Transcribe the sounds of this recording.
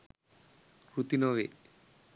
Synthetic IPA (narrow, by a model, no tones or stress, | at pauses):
kɾut̪inɔʋḛ